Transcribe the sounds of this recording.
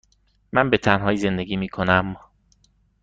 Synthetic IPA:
mænbe̞t̪ʰænɦɒːjiːze̞nd̪e̞ɡiːmiːkʰo̞næm

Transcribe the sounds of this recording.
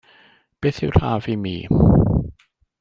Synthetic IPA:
b̥eːθɪwɬa̰ːvimiː

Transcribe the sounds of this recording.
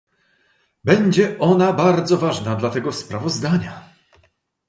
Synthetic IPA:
bɛɲd͡ʑɛɔnabaɾd̪zɔvaʐnad̪lat̪ɛɡɔspɾavɔzd̪aɲa

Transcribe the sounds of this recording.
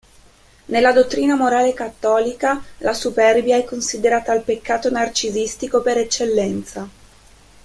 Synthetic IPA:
nelːad̪ot̪ːɾiːnamoɾaːlekat̪ːɔːlikalasupɛrbjaɛkːonsid̪eɾaːt̪aːlpekːaːt̪onart͡ʃizist̪ikopeɾet͡ʃːelːɛnt̪sa

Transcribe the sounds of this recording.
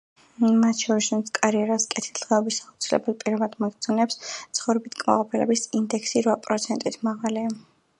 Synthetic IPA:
mat̪ʰʃʰɔɾisunt̪sʰkʼaɾiɛɾaskʼɛt̪ʰi̥ld̪̥ʁɛɔbisaut̪sʰilɛ̰bɛlˠpʼiɾɔvad̪maɡ̪zʰunɛpst̪sʰχɔvɾɛbit̪ʰkʼma̰qʼɔpʰilɛ̰bisind̪ɛkʰsiɾvapʼɾɔt̪sʰɛnt̪ʼit̪ʰmaʁalia

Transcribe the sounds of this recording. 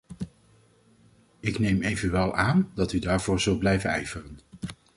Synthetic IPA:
ɪknejmejvənʋɛlˠaːndɑtydaːɹvʊːɹzɵlˠt̚blɛjvənɛ̰jv̥ərən

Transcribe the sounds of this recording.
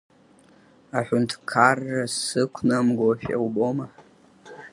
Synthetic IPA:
aħʷᶣʊntʰkʰarːasɨkʷʰnamɡʷofa̰wboma

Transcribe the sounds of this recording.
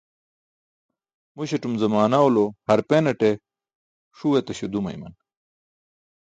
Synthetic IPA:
muɕeʈ͡ʂumzɐmaːnawlohɐɾpenɐʈe | ʂuwet̪ɐɕod̪umɐ̰jmɐ̰n

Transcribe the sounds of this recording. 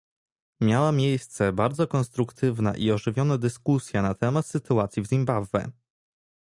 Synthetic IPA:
mʲjawamʲjejst̪sɛbaɾd̪zɔkɔnst̪ɾukt̪ʰɘvna̰ʔiɔʐɘvʲjɔnɛd̪ɘskusʲjanat̪ɛmat̪sɘt̪uat̪sʲjivzʲimbavvɛ̰

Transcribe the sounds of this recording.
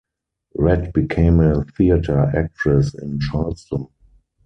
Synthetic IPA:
ɹɛdb̥ikʰẽɪ̃məθiatʰə˞ʔæk̚tʰɹɛsɪ̰̃nt͡ʃalstɔ̃n

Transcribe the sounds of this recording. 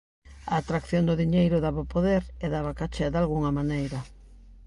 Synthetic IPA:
aːt̪ɾakθjond̪ʊðiɲejɾʊðaβapoðeɾeðaβakat͡ʃaðalɣuŋɐmanejɾɐ

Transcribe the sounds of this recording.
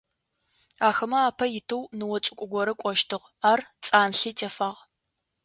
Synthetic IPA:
aːxɐmɐaːpʰɐjɪtʰɨwnɨwɔt͡sʼʊkʷʼʊɡʷɔɾɨkʷʼɔʃtʰɨʁ | aːrt͡sʼaːnɬiːtʼɐfaːʁ

